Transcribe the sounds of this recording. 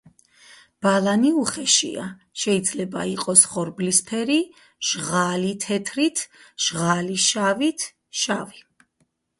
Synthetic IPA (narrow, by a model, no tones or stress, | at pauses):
b̥alˠaniuχɛʃḭa̰ʃɛid̪zlɛba̰iqʼɔsχɔɾblispʰɛɾi | ʒ̥ʁalit̪ʰɛt̪ʰɾit̪ʰʒ̥ʁaliʃavit̪ʰ | ʃavi